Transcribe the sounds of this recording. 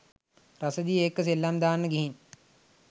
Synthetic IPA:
rasəd̪ijeːkːəs̬elːamd̪aːnːəɡiɦin

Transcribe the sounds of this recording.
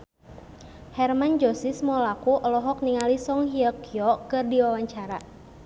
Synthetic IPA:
hɛrmand͡ʒɔsismɔlakuʔɔlɔɦɔk̚niŋalisɔŋɦiəkiɔkɨrdiwawaɲt͡ʃaɾa̰

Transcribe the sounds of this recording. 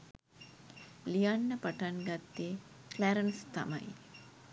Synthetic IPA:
lijanːəpaʈanɡat̪ːeklæɾənst̪a̰ma̰j

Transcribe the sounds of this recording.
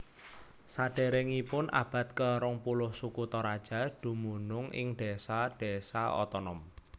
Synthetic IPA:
saɖ̥e̤ɾɛŋipʊnʔa̰b̥a̤t̪̚kəɾɔŋpulʊhsukut̪ɔɾad̥ʒ̥a̤d̪̥ṳmunʊŋɪ̰ŋɖ̥esaɖ̥e̤saɔ̰t̪ɔnɔm

